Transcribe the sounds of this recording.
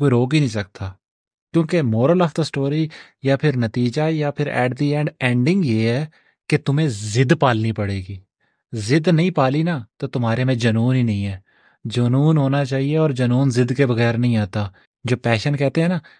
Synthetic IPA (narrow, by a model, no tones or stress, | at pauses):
koːiɾoːkinəĩːsək̚t̪aː | kjõːkemoːɾəlɔft̪əsʈoːɾi | jaːpʰɪɾnət̪iːd͡ʒaːjaːpʰɪɾɛ̰ːɖd̪iːɛ̃ːɖɛ̃ːɳɖɪ̃ŋɡjeːɦɛː | ket̪ʊmẽːzɪd̪paːlnipəɽeːɡiː | zɪd̪nəɦĩːpaːlinaːt̪oːt̪ʊmɦaːɾemẽd͡ʒənuːnɦiːnɐɦĩɦɛː | d͡ʒənuːnɦoːnaːt͡ʃaːɦieɔːɾd͡ʒənuːnzɪd̪kebəɣɛːɾnəɦĩaːt̪aː | d͡ʒoːpɛːʃənkɛːt̪eɦɛ̃ːnaː